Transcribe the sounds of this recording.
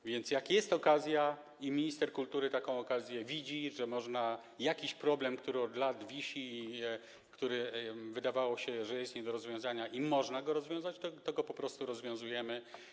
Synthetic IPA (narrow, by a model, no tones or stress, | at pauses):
vʲjɛnt̪sjakjɛst̪ɔkazʲja | imʲiɲist̪ɛɾkult̪uɾɘt̪akɔ̃w̃ɔkazʲjɛvʲid͡ʑiʐɛmɔʐna | jakʲiɕpɾɔblɛmkt̪uɾɘɔd̪lad̪vʲiɕi | kt̪uɾɘvɘd̪avawɔɕɛʐɛjɛst̪ɲɛd̪ɔɾɔzvʲjɔ̃w̃zaɲaʔimɔʐnaɡɔɾɔzvʲjɔ̃w̃zat͡ɕt̪ɔt̪ɔɡɔpɔpɾɔst̪uɾɔzvʲjɔ̃w̃zujɛmɘ